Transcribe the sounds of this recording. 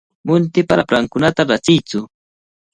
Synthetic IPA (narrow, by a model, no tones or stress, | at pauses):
mʊnt̪ɪpaɾapɾaŋkʊnat̪aɾat͡sɪjt͡sʊ